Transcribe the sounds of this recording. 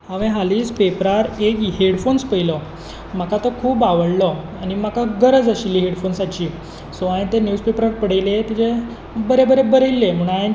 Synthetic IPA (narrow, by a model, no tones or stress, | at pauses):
ãʋẽɦaliːspepɾaɾekɦeɽfonspəilə | m̤akat̪əkʰuːbaʋəɽlə | animakaɡəɾəd͡zəɕilːiːɦeɽfonsat͡ɕiː | soaẽt̪enjuspepɾaɾpəɽəjlet̪id͡ʑe | bəɾebəɾebəɾəlːem̤uɳ̃aẽ